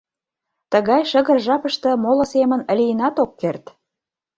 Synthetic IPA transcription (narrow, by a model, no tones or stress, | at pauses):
t̪ə̆ɣɑjʃə̆ɣə̆rʒɑpəʃt̪ɤ̆molɤ̆semənə̆lʲijənɑt̪okːert̪